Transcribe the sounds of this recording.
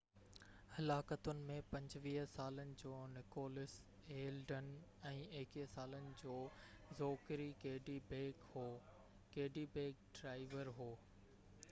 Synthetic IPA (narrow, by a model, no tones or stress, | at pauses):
hɐlaːkət̪ʊnɪ̆mẽpɐ̃ɲd͡ʑʋiːɦsaːlənɪ̆d͡ʑoːnɪkoːlɪs | eːlɖənɛ̃ːeːkisaːlənɪ̆d͡ʑoːzoːkɾikeɦɖibekho | keɦɖibeːk̚ɖɾaːɪʋəɾɦoː